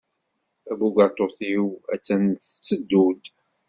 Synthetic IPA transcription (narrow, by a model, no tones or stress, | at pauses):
æbuɡat̪ˤːoθiwæ̰t͡sːænθə̥t͡sːəd̪ːud̪